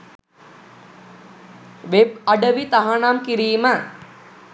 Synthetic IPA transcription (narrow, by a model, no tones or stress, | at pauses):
ʋep̚ɐɖəʋit̪aɦanamkiɾiːmə